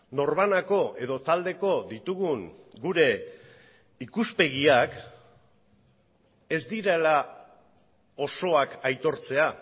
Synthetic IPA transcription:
no̞ɾβanako̞ʔe̞ðo̞t̪ald̪e̞ko̞dit̪uɣuŋɡuɾe̞ | ikuspe̞ɣiak | e̞zd̪iɾela | o̞so̞akajt̪o̞ɾt͡se̞a

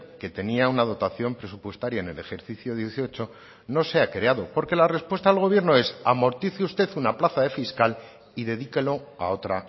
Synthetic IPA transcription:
ke̞t̪e̞niaunað̞o̞t̪aθjo̞mpɾe̞supwe̞st̪aɾjaene̞le̞xe̞ɾθiθjoðjeθio̞t͡ʃo | no̞se̞akɾeaðo̞po̞ɾke̞lare̞spwe̞st̪aːlɣo̞β̞je̞ɾno̞e̞samo̞ɾt̪iθeust̪e̞θunaplaθaðe̞fiskal | iðe̞ð̞ikelo̞ | a̰o̞t̪ɾa

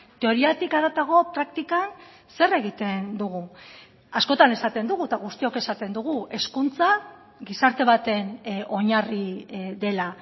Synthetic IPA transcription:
t̪e̞o̞ɾiat̪ikaðat̪aɣo̞pɾak̚t̪ikan | se̞re̞ɣit̪e̞nd̪uɣ̞u | asko̞t̪ane̞sat̪e̞nd̪uɣut̪aɣ̞ust̪io̞ke̞sat̪e̞nd̪uɣ̞ue̞skunt͡sa | ɣisaɾt̪e̞β̞at̪e̞no̞ɲariðe̞la

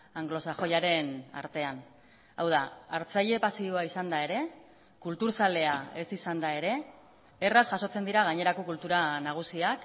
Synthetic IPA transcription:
aŋɡlo̞saxo̞jaɾe̞na̰ɾt̪e̞an | awð̞aaɾt͡saʎe̞pasioaisand̪ae̞ɾe̞ | kult̪uɾsale̞ae̞sisand̪ae̞ɾe̞ | erasʝaso̞t͡se̞nd̪iɾaɣ̞aɲe̞ɾako̞kult̪uɾanaɣ̞usiak

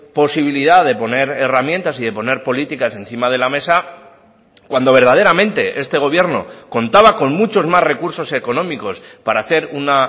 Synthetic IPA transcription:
po̞siβ̞iliðaðe̞po̞ne̞ɾe̞ramjẽ̞nt̪asiðe̞po̞ne̞ɾpo̞lit̪ikase̞n̟θimað̞e̞lame̞sa | kwand̪oβe̞ɾð̞að̞e̞ɾamẽ̞nt̪e̞ʔe̞st̪e̞ɣ̞o̞βje̞ɾno̞̰ko̞nt̪aβako̞nmut͡ʃo̞zmazre̞kuɾso̞se̞ko̞nõ̞miko̞spaɾaːθe̞ɾuna

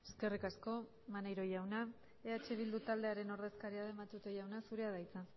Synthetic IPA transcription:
eske̞rikasko̞ | manejɾo̞jawna | eat͡ʃe̞β̞ild̪ut̪ald̪e̞aɾe̞no̞ɾðe̞skaɾiaðemat̪ut̪ejawnasuɾe̞aðajt͡sa

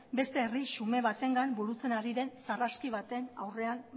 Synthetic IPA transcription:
be̞st̪e̞ːrisume̞βat̪e̞ŋɡanbuɾut͡se̞naɾiðe̞nsaraskiβat̪e̞na̰wre̞an

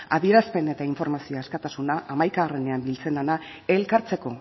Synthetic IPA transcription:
aðieɾaspe̞ne̞t̪aiɱfo̞ɾmasioaskat̪asunaʔamajkaarene̞ambilt͡se̞nana | e̞lkaɾt͡se̞ko̞

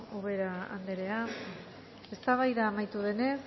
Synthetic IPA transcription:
oβe̞ɾaa̰nd̪e̞ɾe̞a | e̞st̪aβ̞ajðaːmajt̪uð̞e̞ne̞s

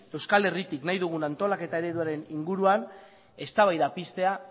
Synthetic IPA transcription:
ewskale̞rit̪iknajðuɣ̞unant̪o̞lake̞t̪ae̞ɾe̞ðuaɾe̞niŋɡuɾuan | e̞st̪aβ̞ajðapist̪e̞a

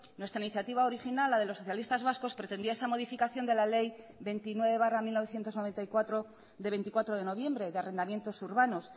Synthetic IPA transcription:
nwe̞st̪ɾainiθjat̪iβaoɾixinalːaðe̞losːo̞θjalist̪azβasko̞spɾe̞t̪e̞nd̪iaesamo̞ðifikaθjo̞nd̪e̞lale̞j | βe̞jnt̪inwe̞βe̞β̞aramilnoe̞θje̞nt̪ozno̞βe̞nt̪aikwat̪ɾo̞ | ðeβe̞nt̪ikwat̪ɾo̞ð̞e̞no̞β̞je̞mbɾe̞ðeare̞nd̪amje̞nt̪o̞suɾβano̞s

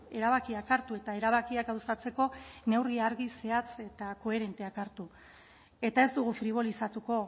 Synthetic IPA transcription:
e̞ɾaβ̞akiakaɾt̪ue̞t̪ae̞ɾaβ̞akiakawsat͡se̞ko̞ne̞wrɣiaɾɣise̞at͡se̞t̪ako̞e̞ɾe̞nt̪e̞akaɾt̪u | e̞t̪ae̞zd̪uɣ̞ufɾiβ̞o̞lisat̪uko̞

